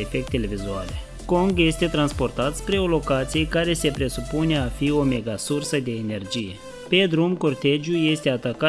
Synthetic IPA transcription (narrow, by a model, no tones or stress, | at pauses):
efe̞k̚t̪e̞le̞vizuale̞̰ | ko̞ŋɡje̞st̪e̞t̪ɾanspo̞rt̪at̪spɾe̞olo̞kat̪sijekaɾe̞se̞pɾe̞supune̞afio̞me̞ɡasursəd̪e̞ːne̞rd͡ʒije̞ | pe̞d̪ɾumko̞rt̪e̞d͡ʒjuje̞st̪e̞at̪aka